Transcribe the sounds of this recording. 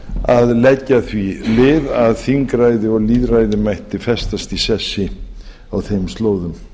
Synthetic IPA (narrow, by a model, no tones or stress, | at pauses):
aðlɛcːaθvilɪːðaðθiŋkɾajðɪɔɣliːðrajðɪmajht̪ɪfɛst̪ast̪isɛsːɪ | awθejmst̪loːwðʏm